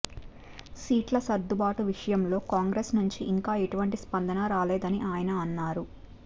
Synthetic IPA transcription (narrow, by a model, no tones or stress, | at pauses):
siːʈlɐsɐd̪ːubaːʈuʋiʂɐjɐmlo̞ːkaːŋɡɾeːsnuɲt͡ʃiʔːŋkaːeʈuʋɐɳʈispɐnd̪ɐnɐɾaːleːd̪ɐniʔaːjɐnɐɐnːaːɾu